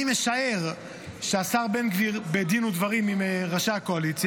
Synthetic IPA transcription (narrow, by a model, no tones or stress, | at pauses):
imeʃae̞ʁ | ʃeasaʁbenɡvibed̪inud̪vaʁimimeʁaʃakoalit͡sj